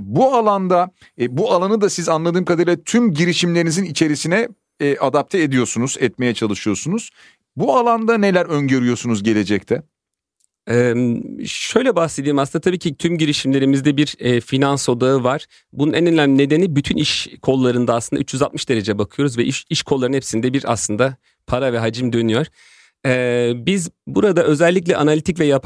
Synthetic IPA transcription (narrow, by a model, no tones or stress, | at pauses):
bualˠand̪a | bualˠanɯd̪asizanlˠad̪ɯːmkʰad̪aɾlʲat̪ʰymɟiɾiʃimlʲeɾinizinit͡ʃʰe̞ɾisinɛ | ʔad̪ap̚t̪ʰɛed̪ijo̞ɾsunuz̥ɛt̪me̞jɛt͡ʃʰalˠɯʃɯjo̞ɾsunuz̥ | bualˠand̪ane̞lʲæɾønɟøɾyjo̞ɾsunuzɟe̞lʲe̞d͡ʒɛc̚t̪ʰɛ | ɛː | ʃø̞jlʲɛbahse̞d̪iːimasɯnd̪at̪ʰabiːcʰit̪ʰymɟiɾiʃimlʲe̞ɾimizd̪ɛbiɾɛfinanso̞d̪aɯvaɾ̥ | bununɛnønænne̞d̪e̞nibyt̪ʰyniʃkʰo̞lˠːaɾɯnd̪aslɯnd̪ayt͡ʃːjyzat̪̚mɯ̥ʃd̪e̞ɾe̞d͡ʒɛbakʰɯjo̞ɾuzvɛiʃkʰolˠːaɾɯnɛpsind̪ɛbiɾa̰slˠɯnd̪a | pʰaɾavɛɦad͡ʒɯmd̪ø̞nyjo̞ɾ̥ | ɛːbizbuɾad̪aʔø̞zɛlʲːic̬lʲɛʔanalʲit̪icvɛjapʰ